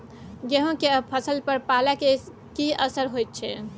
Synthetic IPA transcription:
ɡeɦõkepʰəsəlpəɾpalake | kiʔəsəɾɦojt̪̚t͡ʃʰɛ̰

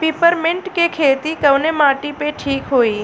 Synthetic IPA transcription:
pipəɾmɪɳʈkekʰeːt̪ikəʋnemaːʈipeʈʰiːkɦoːiː

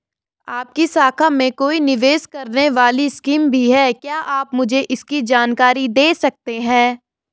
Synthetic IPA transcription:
aːp̚kisaːkʰamẽkoːinɪʋeːskɐɾneʋaːliskiːmbʱiɦɛːkjaːʔaːpmʊd͡ʒʱeʔɪskid͡ʒaːnkaːɾid̪eːsɐk̚t̪eɦɛ̃ː

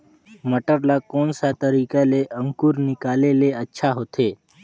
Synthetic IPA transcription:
məʈəɾlakoːnsat̪əɾiːkaleʔə̃ŋkuɾnɪkaːleleətːʃʰaɦoːt̪ʰɦeː

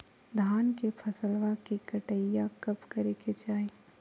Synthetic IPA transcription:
d̪ʱaːnkepʰəsəlʋakikəʈəjjːakɐpkəɾeked͡ʒaːe

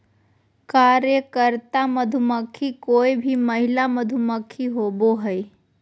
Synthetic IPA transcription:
kaːɾjəkəɾt̪aməd̪ʱuməkʰːikoːibʱiməɦilaməd̪ʱuməkʰːiɦoboɦəi

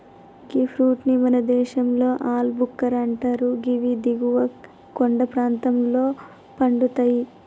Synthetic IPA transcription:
ɡipʰɾuːʈnimɐnɐd̪ɛːʃɐmlo̞ːʔaːlbukːɐɾɐɳʈaːɾuɡiʋid̪iɡuʋɐ | koɳɖɐpɾaːnt̪ɐmlo̞ː | pɐɳɖut̪aji

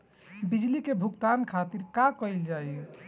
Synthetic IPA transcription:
bid͡ʒlikebʱukt̪ankʰat̪iɾkakəld͡ʒaj

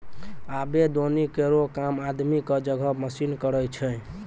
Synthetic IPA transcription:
abed̪onikeɾokamad̪mikəd͡ʒəɡʱəməsinkəɾəjt͡ʃʰɛj

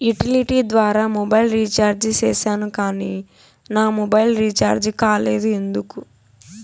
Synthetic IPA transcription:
uʈiliʈiːd̪ʋaːɾaːmɔbɐjlɾiːt͡ʃaːɾd͡ʒt͡ʃɛːʃaːnukaːniː | naːmɔbɐjlɾiːt͡ʃaːɾd͡ʒkaːleːd̪ue̞nd̪uku

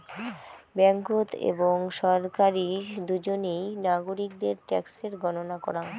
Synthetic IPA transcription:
bɛŋkot̪ḛboŋʃɔɾkaɾiɾd̪ud͡ʑonejnaɡoɾik̚d̪eɾʈɛkseɾɡɔnonakɔ̰ɾan

